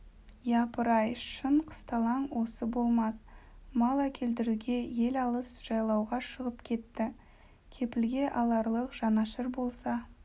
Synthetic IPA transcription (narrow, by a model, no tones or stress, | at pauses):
jɑpəɾɑjʃəɴqʰə̥st̪ɑlˠɑɴwo̞səbo̞lˠmɑs | mɑlˠɑkʲʰe̞ld̪ɪɾuɡʲe̞je̞lɑlˠəsʒ̥ɑjlˠɑwʁɑʃəʁəpkʲʰe̞t̪ːɪ | kʲʰe̞pɪlɡʲe̞ʔɑlˠɑɾlˠəqʒ̥ɑnɑʃɪɾbo̞lˠsɑ